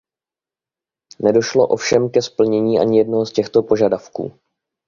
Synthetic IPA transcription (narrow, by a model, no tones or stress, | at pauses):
nɛdo̞ʃlo̞̰ʔo̞̰fʃɛmkɛspl̩ɲɛɲiːʔa̰ɲɪjɛdnoɦoscɛxt̪o̞po̞ʒadafkṵː